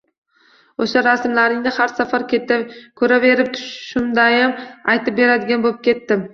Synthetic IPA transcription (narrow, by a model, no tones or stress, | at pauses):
oʃaɾasmlaɾɪŋnɪhaɾsafaɾkʲʰeɪkʰɵɾave̞ɾɪp̚t̪ʰʊ̥ʃʃʊmd̪ajamajt̪ʰɪp̚be̞ɾad̪ɪɡʲanbolɪp̚kʲʰe̞t̪ːɪm